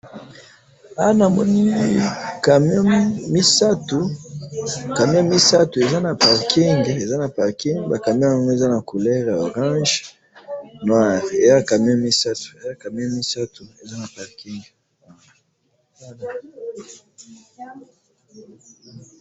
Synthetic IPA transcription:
a˦na˨mɔ˦ni˦ka˨m˦ɔ̃˦mi˦sa˦tu˨ | ka˨mjɔ̃˦mi˦sa˦tu˨e˨za˦na˨pa˨ʁkʰi˦ŋɡe˨za˦na˨pa˨ʁki˦ŋɡba˨ka˨mj̃ɔ̃˨˦ŋɡo˦e˨za˦na˨ko˨lɛ˦ʁja˨o˨ʁɑ̃˦ʒ | nwa˦˨ʁe˨za˦ka˨m˦ɔ̃˦mi˦sa˦tu̥˨e˨za˦ka˨m˦ɔ̃˦mi˦sa˦tu˨e˨za˦na˨pa˨ʁki˦ŋɡ | a˦na˨˦ | na˨

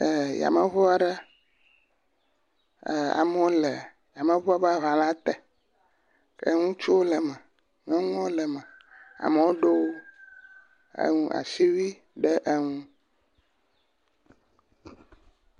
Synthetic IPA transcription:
ə˨ja̰˨mə˨βɔ˦a˦ɖə˦˨ | a̰˨mɔ˦lɛ˨ | ja˨mə̃˨βɔ˦a˦ba˦˨βa˨lã˦t̪ɛ˨ | kḛ˦ŋũ˦t͡ʃu˦wo˦lɛ˨mɛ˨ | ŋɔ̃˦ŋɔ̃˦lɛ˨mɛ̃˨a̰˨me˨˦wo˦ɖo˦wo˦ | ḛ˦ŋũ˦a̰˨si˦wi˦ | ɖɛ˦ʔə˦ŋũ˦

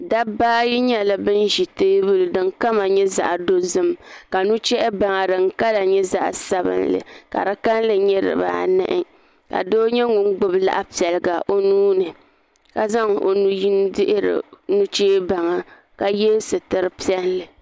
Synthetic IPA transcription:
da˦baː˦ji˦ɲɛ˦la˨bɨ˦nʒi˨teː˦bɨ˦lɨ˨dɨ˦ŋka˦ma˨ɲɛ˦za̰˨ʔdo˦zɨ˦mka˨nu˦t͡ʃɛ˦ʔɛ˦ba˨ŋa˨ɾɨ˨ŋ̩˦ka˦la˨ɲɛ˦za˦ʔsa˦bɨ̰˦nlɨ̰˨ka̰˨ɾa˦ka˦n˦lɨ˨ɲɛ˦ɾɨ̰˨ba̰ː˦˨nɨ̰˦ʔɪ˦ | ka̰˨doː˦ɲɛ˦ŋʊ˨n˦ɡ͡bʊ˦bla̰˦ʔpi˨ɛ˨lɨ˨ɡa˨ʔo˦nuː˦nɨ˨ | ka˦za˦ŋo̰˨nu˨ji˦n˦dɪ˦ʔɪ˦ɾɨ̰˨nu˦t͡ʃeː˦ba˨ŋa˨ | ka˨jɛ˦sɨ˨tɨ˦ɾɨ˦pi˦ɛ˦n˦lɨ˨

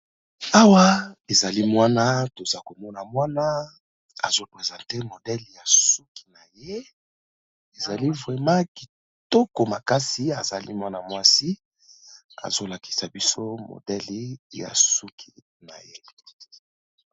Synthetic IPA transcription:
a˦wa˦e˨za˨li˦mwa˦na˦to˨za˦ko˨mɔ˦na˨mwa˦na˦ | a̰˨zo˦pʁe˨zã˨te˦mo˨dɛ˦lja˨su˦ki̥˨na˨je˦ | e˨za˨li˦vʁɛ˨mã˦ki̥˨ | tɔ˦ko˨ma˨ka˦si˨a˨za˨lḭ˦mwa˦na˨mwa˦si˦ | a̰˨zo˦la˨ki̥˨sa˨bi˦so˦mo̰˨dɛ˦li˨˦ja̰˨su˦kʰi˨ | na̰˨je˦

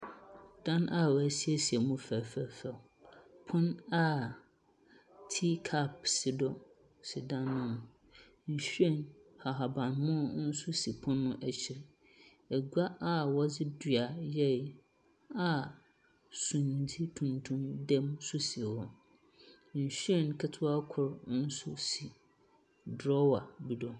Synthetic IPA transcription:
d̥ã˦na˦˨wɔ˨æ˨si˦ɛ˦si˨ɛ˨mũ˦fæ˨fæ˨fɛ˨ | pʰʊ̃˦na˦ | tʰi˦kʰa˦˨p̚sɪ˨dɔ˦ | sɪ˨dã˦nːʊ̃˦ñ˨ | ɲ̩˨ɕᶣɛ̃˦˨nha˨ɦa˨bã˨nmɔ̃˦˨˦n̩˦sʊ˦si˨pʰʊ̃˦nːʊ̃˦ʔæ˨t͡ɕʰɪ˨ɾ | ɛ˨ɡa˦a˦wɔ˦d͡zɪ˦dɥa˨jɛ˦˨ | a˨ | sũ˨n˨di˦tʰũ˨ntʰũ˦mdɛ̃˦msʊ˦si˨wɔ˨ | n̩˨ɕᶣɥɛ˦˨nkʰɛ˦tʰʊ˦a˦kʰʊ˨ɾn̩˦sʊ˦si˨ | dɾɔ˦wa˨bi˨dɔ˨

